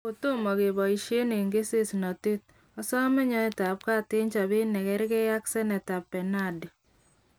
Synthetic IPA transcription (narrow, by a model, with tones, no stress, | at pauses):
o˨to˦mɔ˨ke˨bɔ˨i˨ʃje˦ne˨ŋɡe˦se˦si˨nɔ˨te˦t̚ | ɔ˦sɔ˦mɛ˦ɲɔ˦ɛ˨ta˨p̚ka˦te˦ɲt͡ʃa˨bɪ˦nɛ˨kɛ˦ɾke˦ja˦ksɛ˦nɛ˨ta˨pːɛ˨na˦dɪ˨